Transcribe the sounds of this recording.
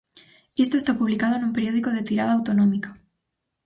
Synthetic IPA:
est̪ost̪apuβlikað̞oenumpe̞ɾjo̞ðikoð̞e̞t̪iɾað̞aːwt̪onõmikḁ

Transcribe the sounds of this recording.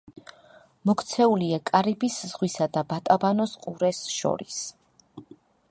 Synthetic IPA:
mɔkʰt̪sʰɛuliakʼaɾibiszʁwisad̪abat̪ʼabanɔsqʼuɾɛsʃɔ̰ɾis

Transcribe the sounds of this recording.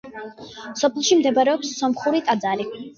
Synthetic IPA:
sɔpʰɛlˠʃimd̪ɛbaɾɛɔpsːɔmχuɾit̪ʼad̪zaɾi

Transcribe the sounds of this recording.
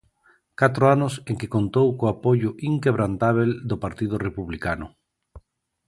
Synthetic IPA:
kat̪ɾoanʊseŋkɪkont̪owkoapoʎʊʔiŋkeβ̞ɾant̪aβ̞eld̪opaɾt̪iðʊrepuβlikanʊ

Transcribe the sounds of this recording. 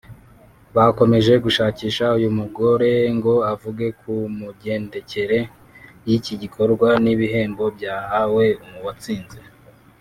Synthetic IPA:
βako̞me̞ʒe̞ɡuʃaːciːʃaujumuɡo̞ɾe̞ŋɡo̞avuɡe̞kumuɟe̞ːnde̞ce̞ɾe̞ | jiciɟikʰo̞ɾɡwaniβiɦe̞ːmbo̞bjaːhawe̞umuwat͡siːnze̞

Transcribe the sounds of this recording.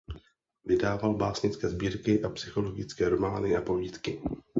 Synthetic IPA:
vɪdaːvalbaːsɲɪt͡skɛːzbiːɾkɪʔapsɪxo̞lo̞ɡɪt͡skɛːɾo̞maːnɪʔapo̞viːt̪kɪ

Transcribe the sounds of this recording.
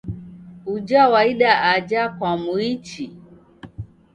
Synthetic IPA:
ud͡ʒawaiɗaad͡ʒakwamuit͡ʃi

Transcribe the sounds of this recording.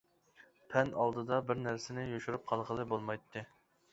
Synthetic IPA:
pʰɛnɑlˠd̪ɨd̪ɑbɪɾnæɾsɪnɪjoʃuɾup̚qʰɑlˠʁəlˠɨbolˠmɑjt̪ʰːɨ

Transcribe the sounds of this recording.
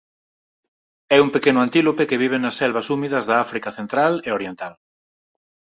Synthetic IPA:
ɛuŋpekenʊant̪ilopekeβ̞iβ̞enɐsːɛlβɐsumiðɐzðɐafɾikɐθent̪ɾaleoɾjent̪al

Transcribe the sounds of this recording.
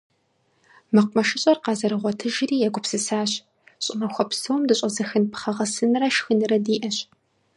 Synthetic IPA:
mɨqʷʊmɐʃɪɕʼɐrqɑzɐɾɨʁʷɔtʰɨʒɪriːjɛɡʷʊpsɨsaːɕ | ɕʼɪmɐxʷɔpsowmdɨɕʷʼɐzɐxɨnpʰχɐʁɐsɨnɨrɐʃxɨnɨɾɐdiːʔɐɕ

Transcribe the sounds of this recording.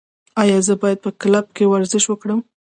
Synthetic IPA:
ɑjɑzəbɑjad̪̚pəklab̚kewaɾzɪʃwəkɽəm

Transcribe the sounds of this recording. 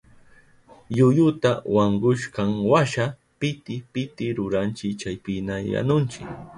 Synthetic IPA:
jʊjʊt̪awaɴɢʊʃkɑŋwaʃa | pɪt̪ɪpɪt̪ɪɾʊɾant͡ʃɪkt͡ʃajpɪnaja̰nʊnt͡ʃɪk

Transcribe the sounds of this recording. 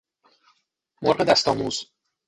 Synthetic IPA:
moɾɢed̪æst̪ɒ̰ːmṵːz̥

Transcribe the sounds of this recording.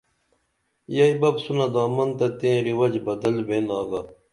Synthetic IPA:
jɐibɐbsunad̪aːmɐnt̪ɐt̪ẽːɾiwɐd͡ʑbɐd̪ɐlbeːnaːɡaː

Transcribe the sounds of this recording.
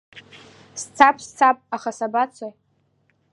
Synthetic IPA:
st͡sʰapʰʼst͡sʰapʼaχasabat͡sʰaj

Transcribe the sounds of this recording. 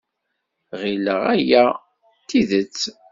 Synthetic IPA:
ʁiləʁæjæ | t̪ːiðət͡sː

